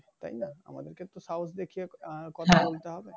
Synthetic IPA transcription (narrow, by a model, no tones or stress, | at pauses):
t̪a̰jnaa̰ma̰d̪eɾket̪ːosawsd̪ekʰijekɔt̪ʰabolt̪eɦɔbe